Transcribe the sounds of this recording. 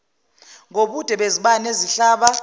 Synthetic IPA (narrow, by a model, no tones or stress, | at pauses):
ŋoɓud̥ʱɛɓeziɓaneziɬaːɓa